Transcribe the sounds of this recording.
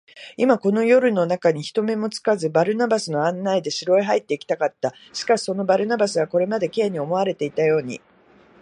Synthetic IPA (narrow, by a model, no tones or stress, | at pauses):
imako̞no̞jo̞ɾɯ̟no̞nakaɲ̟içi̥t̪o̞me̞mo̞t͡sɨ̥kazɨbaɾɯ̟nabasɨno̞ãnːaid̪e̞ɕiɾo̞eɦait̪ːe̞ikʲi̥t̪akat̪ːa | ɕi̥kaɕi̥so̞no̞baɾɯ̟nabasɨβako̞ɾe̞mad̪e̞ke̞ːɲ̟io̞mo̞aɾe̞t̪e̞it̪ajo̞ːɲ̟ḭ